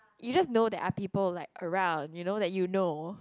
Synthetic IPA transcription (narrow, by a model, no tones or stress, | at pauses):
jud͡ʒasnodɛtapipəllaɪkəɹãʊ̃ndjunodɛt̚juno